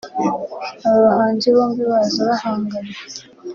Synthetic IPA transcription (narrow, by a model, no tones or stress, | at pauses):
aβaɦaːɲd͡ʒiβoːmbiβazaβahaːŋɡana